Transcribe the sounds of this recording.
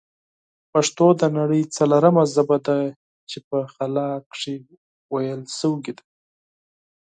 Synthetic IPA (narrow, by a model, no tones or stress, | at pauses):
paʂt̪od̪ənaɽəjt͡salaɾamazabad̪a | t͡ʃepəxalɑkʂi | wajəlsəwɡid̪ḁ